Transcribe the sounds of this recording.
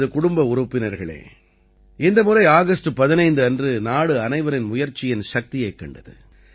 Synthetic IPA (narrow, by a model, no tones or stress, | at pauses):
ðɯkʊɽʊmbɐʊɾʊpːɪnɐɾɣɐɭḛː | ɪnd̪ɐmʊrɐɪaːɣɐsʈɯpɐðɪnɐɪnd̪ɯɐndrɯnaːɽɯɐnɐɪʋɐɾɪnmʊjɐɾt͡ʃːɪjɪnʃɐk̚t̪ɪjɐɪkːɐɳɖɐðɯ̰